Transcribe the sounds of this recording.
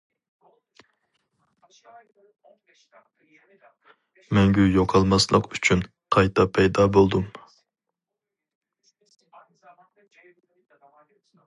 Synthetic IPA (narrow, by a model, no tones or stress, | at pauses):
mɛŋɡʲyjoqʰɑlˠmɑslˠəqyt͡ʃʰyn | qʰɑjt̪ʰɑpʰɛjd̪ɑːbolˠd̪um